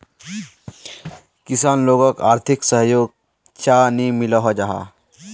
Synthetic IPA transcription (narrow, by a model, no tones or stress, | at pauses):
kisaːnloːɡəkaːɾt̪ʰiksəɦjoːɡ̚ | t͡ʃanimilɔɦɔd͡ʒaɦa̰